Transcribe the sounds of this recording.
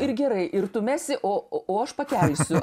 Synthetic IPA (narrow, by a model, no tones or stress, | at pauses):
ɪrɡʲɛɾɐɪʔɪrt̪ʊmʲæːsʲɪʔoːoːɐʃpɐkʲɛlʲsʲʊ